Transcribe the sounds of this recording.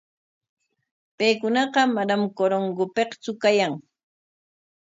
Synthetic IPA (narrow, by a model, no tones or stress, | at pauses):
pejkʊnɑqɑmadamkoɾoŋɡʊpeqt͡sʊkajaŋ